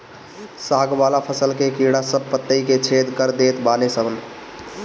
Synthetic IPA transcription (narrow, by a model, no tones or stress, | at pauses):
saːɡbalapʰəsəlkekiɽasəb̚pət̪ːəiket͡ʃʰed̪kəɾd̪et̪banesəbən